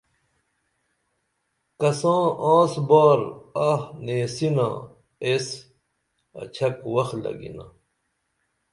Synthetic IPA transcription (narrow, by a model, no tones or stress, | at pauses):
kɐsãːãːsbaːɾɐhneːsinã̰ː | es | ɐ̰t͡ɕʰɐkwɐxlɐ̰ɡḭna̰